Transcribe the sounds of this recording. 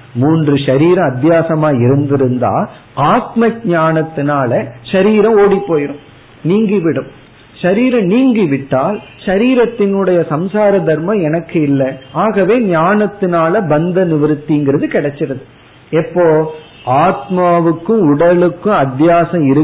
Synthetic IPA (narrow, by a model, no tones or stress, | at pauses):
muːndrɯʂɐɾiːɾɐ̃ɐd̪jaːsɐmaːɪɾɯnd̪ɪɾɯnd̪a̰ːl | aːt̪mɐk̚ɲaːnɐt̪ːɪnaːlɐʃɐɾiːɾɐ̃oːɽipːoːjɪɾɯm | niːŋɡiʋɪɽɯm | ʃɐɾiːɾɐ̃niːŋɡiʋɪʈːaːlʃɐɾiːɾɐt̪ːɪnɯɽɐjɐsɐmsaːɾɐd̪ɐɾmɐ̃ɛnɐkːɯɪlːɐaːɣɐʋeːɲaːnɐt̪ːɪnaːlɐbɐnd̪ɐnɪʋɐɾɯt̪ːiŋɡɪɾɐðɯkɪɽɛt͡ʃːɪɾɐðɯ | ɛpːoː | aːt̪maːʋɯkːɯ̃ʊɽɐlɯkːɯ̃ɐd̪jaːsɐ̃ɪɾɯ